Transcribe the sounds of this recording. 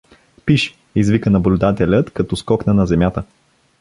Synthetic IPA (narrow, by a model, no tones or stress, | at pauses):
piʃ | izvikənɐblʲʊd̪at̪ɛlʲət̪kɐt̪ɔskɔknənɐzɛmʲjat̪ə